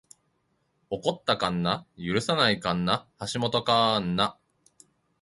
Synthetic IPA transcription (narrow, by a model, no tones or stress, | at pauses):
o̞ko̞t̪ːakãnːajɯ̟ɾɯ̟sanaikãnːahaɕimo̞t̪o̞kanːa